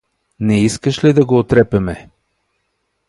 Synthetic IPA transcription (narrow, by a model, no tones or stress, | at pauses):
nɛiskəʃlid̪ɐɡoːt̪ɾɛpɛmɛ